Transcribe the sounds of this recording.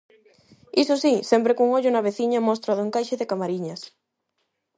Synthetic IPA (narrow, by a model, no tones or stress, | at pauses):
isʊsisɛmpɾekuŋoʎʊnaβeθiɲamost̪ɾaðʊẽŋkajʃeðekamaɾiɲas